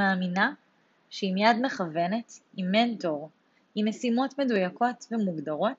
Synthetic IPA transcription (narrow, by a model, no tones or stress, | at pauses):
aːmina | ʃeimijadme̞χave̞ne̞timːe̞nto̞ʁ | inesimo̞tme̞dujako̞tvemuɡdaʁo̞t